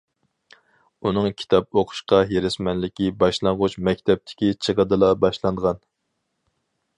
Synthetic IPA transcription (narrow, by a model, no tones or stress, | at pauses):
unɨŋkʲʰi̥t̪ʰɑp̚oqʰʊ̥ʃqɑɦeɾɪsmɛnlɪkʲibɑʃlˠɑŋʁʊt͡ʃmɛkʲt̪ʰɛp̚t̪ʰɪ̥kʲit͡ʃʰəʁəd̪ɨlˠɑbɑʃlˠɑnʁɑn